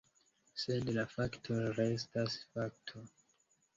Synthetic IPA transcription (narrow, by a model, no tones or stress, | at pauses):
sedlafaktʰoɾestasfak̚tʰo